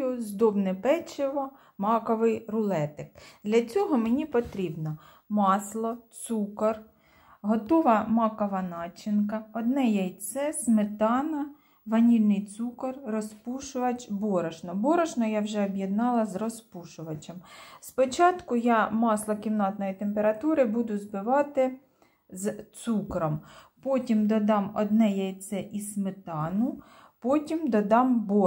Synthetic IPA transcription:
jʊzd̪ɔbnepɛt͡ʃɪʋɔ | mɑkɔʋɪjrʊlˠɛt̪ɪk̚d̪lʲɐt͡sʲɔɦɔmenʲipɔt̪ɾʲibnɔ | mɑslˠɔt̪sukɐr | ɦɔt̪ɔʋɐmɑkɔʋɐnɑt͡ʃɪnkɐɔd̪nɛjɛjt̪sɛsmet̪ɑnɐ | ʋɐnʲilʲnɪjt̪sukɐrrɔspuʃʊʋɐt͡ʃbɔɾɐʒnɔbɔɾɐʒnɔjɑwʒɛɔbʲjed̪nɑlˠɐzrɔspuʃʊʋɐt͡ʃʲɐmspɔt͡ʃɑt̪kʊjɑmɑslˠɔkʲiwnɑt̪nɔjit̪empeɾɐt̪uɾɪbud̪ʊzbɪʋɑt̪ɪ | zt̪sukɾɔmpɔtʲimd̪ɔd̪ɑmɔ̰d̪nɛjɐjt̪sɛʔismɪt̪ɑnʊ | pɔtʲimd̪ɔd̪ɑmbɔ

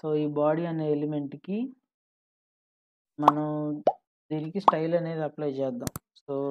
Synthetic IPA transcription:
so̞ːiːbaːɽiɐneːelime̞ɳʈki | mɐnɐm | d̪iːnikisʈɐjlɐne̞ːd̪iɐplɐjt͡ʃɛːd̪ːa̰ːmsoː

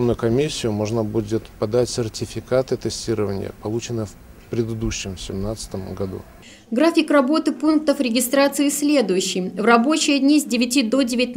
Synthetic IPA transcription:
nːʊjʊkɐmʲisʲːɪjʊmoʐnəbudʲɪt̪pɐd̪atʲsʲɪrtʲɪfʲɪkat̪ɨt̪ɨsʲtʲiɾəvənʲɪ̰jə̰pɐlˠut͡ɕɪnːɨjəf | pɾʲɪd̪ɨd̪uɕːɪmsʲɪmnat̪sə̥t̪əmɡɐd̪ṵ | ɡɾafʲɪkrɐbo̞t̪ɨpunk̚t̪əfɾʲɪɡʲɪst̪ɾat̪sɨɪsʲlʲe̞d̪ʊjʉɕːɪjvrɐbo̞t͡ɕɪjədʲnʲizʲdʲɪvʲɪtʲid̪o̞dʲɪvʲɪt̪ʲn

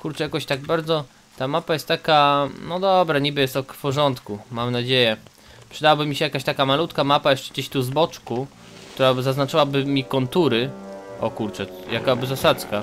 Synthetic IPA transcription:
kuɾt͡ʂɛjakɔɕt̪aɡ̚baɾd̪zɔ | t̪amapajɛst̪t̪ːakanɔd̪ɔbɾaɲibɘjɛst̪ɔkfpɔʐɔnt̪kumamnad͡ʑejɛ | pʂɘd̪awabɘmʲːiɕɛjakaɕt̪akamalut̪kamapajɛʂt͡ʂɛd͡ʑeɕt̪uzbɔt͡ʂku | kt̪uɾabɘzaznat͡ʂawabɘmʲikɔnt̪uɾɘʔɔ̰kuɾt͡ʂɛjakabɘzasat̪ska

